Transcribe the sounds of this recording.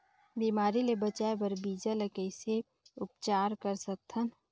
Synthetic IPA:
biːmaːɾilebət͡ʃaːebəɾbiːd͡ʒələkəise | ʊp̚t͡ʃaːɾkəɾsək̚t̪ʰən

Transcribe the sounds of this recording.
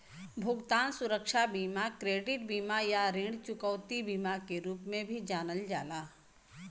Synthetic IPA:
bʱʊɡt̪aːnsʊɾəkʃabiːmakɾeːɖɪʈbiːmajaɾẽːɳt͡ʃʊkəʋt̪ibiːmakeɾuːpmẽbʱid͡ʒaːnəld͡ʒaːlaː

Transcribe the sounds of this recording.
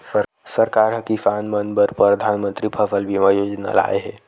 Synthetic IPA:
sə | səɾkaːɾɦəkifaːnmənbəɾpɾəd̪ʱaːnmə̃nt̪ɾipʰəfʰəlbʱimajoːd͡ʒna̰la̰ːeɦɛː

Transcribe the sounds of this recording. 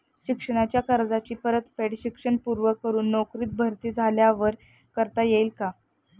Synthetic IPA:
ɕikʂəɽ̃at͡ɕjakəɾd͡zat͡ɕiːpəɾət̪feɽɕikʂəɳpuɾʋəkːəɾuːnːokɾiːt̪̚bʱəɾt̪iːd͡zʱaljaʋəɾ | kəɾt̪ajeilka

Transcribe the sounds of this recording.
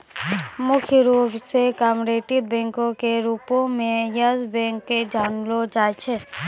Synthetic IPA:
mʊkʰjɾuːpsekaːmɾeːʈid̪̚bɛ̃ːŋkõkeɾuːpõmẽjəzbɛ̃ːŋkːed͡ʒaːnlod͡ʒaːt͡ʃʰe

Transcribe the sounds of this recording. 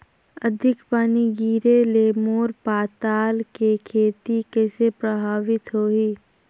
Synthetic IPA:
əd̪ʱɪkpaːniɡiːɾeleːmoːɾpaːt̪aːlkekʰeːt̪ikɛːsepɾəbʱaːʋɪt̪ɦoːɦiː

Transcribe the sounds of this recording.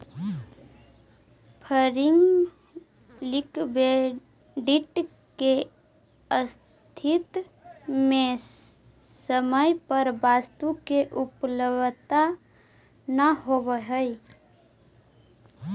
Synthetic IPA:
pʰəɾɪŋɡ | likbe | ɖiʈ | ke | əs | t̪ʰit̪ | me | səməjpəɾbast̪ukeʔupləbt̪a | nəɦobəɦəj

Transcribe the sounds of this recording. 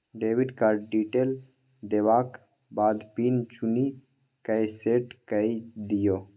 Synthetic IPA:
ɖeːʋiɖkaɖiʈeːl | d̪eːʋaːk | baːd̪pint͡ʃuni | kəjseʈkəid̪ijoː

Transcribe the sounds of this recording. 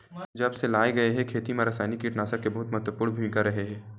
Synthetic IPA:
d͡ʒɐbselaːeɡɐeɦɛ̃kʰeːt̪imẽɾɐsaːnikːiʈnaːsəkːebɐɦʊt̪mɐt̪wəpʊɾɽ̃nbʱimɪkaɾɐɦeɦɛ̃ː

